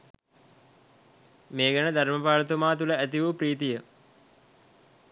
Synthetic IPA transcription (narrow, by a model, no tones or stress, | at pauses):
meːɡanəd̪ʱaɾməpaːlət̪umaːt̪uləæt̪iʋupɾiːt̪ijə